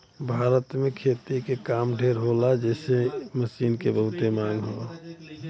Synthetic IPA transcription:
bʱaːɾət̪mẽkʰeːt̪ikekaːmɖʱeɾɦolad͡ʒɛːseməsiːnkebəɦʊt̪emãːŋɡɦo̰ː

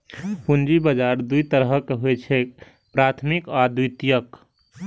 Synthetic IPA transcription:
pund͡ʒibəd͡ʒaːɾd̪uit̪əɾəɦkeɦoɛt͡ʃʰɛ | pɾat̪ʰmikad̪ujt̪ijək

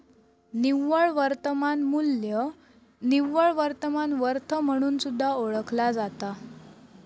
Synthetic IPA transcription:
niʋːəɭʋəɾt̪əmanmuljə | niʋːəɭʋəɾt̪əmanʋəɾt̪ʰəm̤əɽ̃uːnsud̪ʱːaoɭəkʰlad͡zat̪a

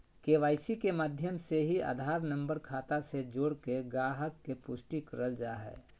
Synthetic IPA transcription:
keːʋaːɪsikemaːd̪ʱjəmseɦia̰ːd̪ʱaːɾnə̃mbəɾkʰaːt̪ased͡ʒoːɽkeɡaːɦəkːepʊsʈikəɾəld͡ʒaːɦɛ̰ː

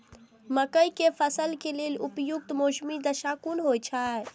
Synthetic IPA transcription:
məkəjkepʰəsəlkelelupjuk̚t̪mosmid̪əʃakunɦojt͡ʃʰa

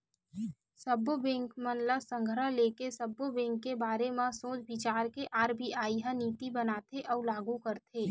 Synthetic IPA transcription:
səbobẽːŋkmənləsə̃ŋɡʱəɾəleːkesəbːobɛ̃ːŋkːebaːɾemãsõːt͡ʃbɪt͡ʃaːɾkeʔaːɾbʱiʔaːiɦãniːt̪ibənaːt̪ʰeʔɔːlaːɡukəɾt̪ʰeː

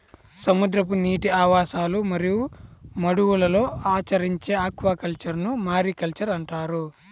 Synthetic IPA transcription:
sɐmud̪ɾɐp̬uniːʈiaːʋaːʃaːlumɐɾijumɐɽuwulɐlo̞ːaːt͡ʃɐɾiɲt͡ʃe̞ːaːkʋaːkɐlt͡ʃɐɾnumaːɾikɐlt͡ʃɐɾɐɳʈaːɾu

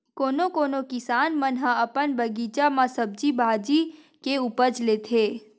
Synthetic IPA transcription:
koːnokoːnokɪsaːnmənɦãəpənbəɡit͡ʃamãsəb̚d͡ʒibʱaːd͡ʒi | keupət͡ʃleːt̪ʰeː

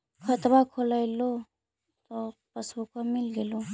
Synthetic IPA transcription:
kʰət̪bakʰolajlo | t̪ɔpəsbukamilɡelo

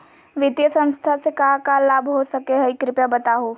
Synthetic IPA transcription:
ʋɪd̪jəsə̃nst̪ʰasekaɦakallaːbʱɦosɐkeɦɛikɾɪpjabɐt̪aːɦoː

